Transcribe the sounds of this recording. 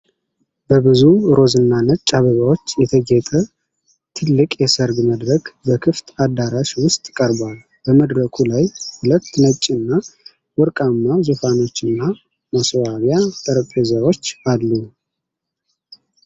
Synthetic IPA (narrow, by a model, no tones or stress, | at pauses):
bəbɨzuɾo̞zɨnːanət͡ʃʼːaβəβawo̞t͡ʃːjɛt̪ʰəɡɛt̪ʼə | t̪ʰɨlːɨkʼjɛsəɾɡməd̪ɾəkbəkʰɨft̪ʰʼad̪aɾaʃwʊst̪ʼkʼəɾbal | bəməd̪ɾəkʰulajhulət̪ːnət͡ʃʼːɨnːa | wɔɾkʼamːazufano̞t͡ʃːɨnːa | maswaβjat̪ʼəɾəkʼezawo̞t͡ʃːalːu